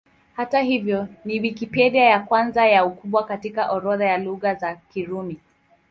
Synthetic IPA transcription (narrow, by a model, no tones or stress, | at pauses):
hataɦivjɔniwikipɛɗiajakwanzajaukuɓwakatikaʔɔɾɔðajaluɣazakiɾumi